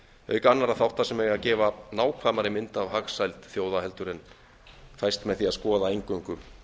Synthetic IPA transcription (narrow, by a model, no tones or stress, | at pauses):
œ̰ːɥkanːaɾaðθawht̪ːasɛmɛɣaðcɛːvanaːwkʰvaːmaɾɪmɪnt̪avhaxsajlt̪θjoːwðaɦɛlt̪ʏɾɪn | θajst̪mɛðθiaðskɔːðaejŋkʏŋkʏm